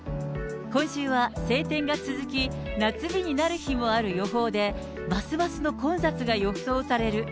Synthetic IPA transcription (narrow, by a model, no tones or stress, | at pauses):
kõ̞ɕɨːβase̞ːt̪ẽ̞ŋɡat͡sɨzɨkʲi | nat͡sɨbʲiɲ̟inaɾɯ̟çimo̞aɾɯ̟jo̞ɦo̞ːd̪e̞ | basɨbasɨno̞kõ̞ɰ̃sat͡sɨɡajo̞kɯ̟̥so̞ːsaɾe̞ɾɯ̟